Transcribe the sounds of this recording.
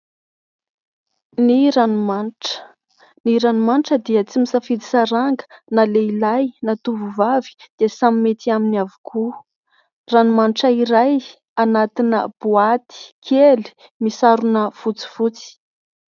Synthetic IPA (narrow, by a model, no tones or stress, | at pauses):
niɾanumanʈ͡ʂə̥ | niɾanumanʈ͡ʂəd̪iət͡simisafid̪i̥saɾaŋɡə̥naleilajnat̪uvuvavi̥d̪̥iəsamimet̪iaminiavukʰu | ranumaniʈ͡ʂəiɾaj | anat̪inə̰b̥uat̪i̥kʰeli̥ | misaɾunəfut͡si̥vut͡si̥